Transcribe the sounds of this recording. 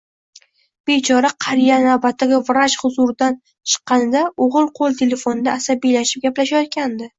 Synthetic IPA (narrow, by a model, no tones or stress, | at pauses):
b̥e̞t͡ʃʰɒɾaqʰɑɾijanawbat̪ʰːaɡʲavɪɾaʃhʊzʊɾɪd̪an | t͡ʃʰɨ̥qːɑnɪd̪aoʁɨlˠqʰolˠt̪ʰe̞le̞fonɪd̪aːsabijlaʃɪ̥p̚ɡʲaplaʃajɒt̪̚kʲand̪ɪ